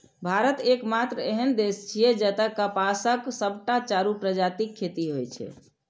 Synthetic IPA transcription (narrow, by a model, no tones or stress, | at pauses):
bʱaɾət̪ekmat̪ɾəeɦənd̪est͡ʃʰijed͡ʒət̪əkːəpasəksəbʱʈat͡ʃaɾupɾəd͡ʒat̪ikʰːet̪iɦojt͡ʃʰɛ̰